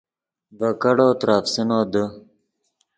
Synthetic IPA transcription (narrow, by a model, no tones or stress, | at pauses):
bɐkɐɽoːt̪ɾaːfsinoːd̪ə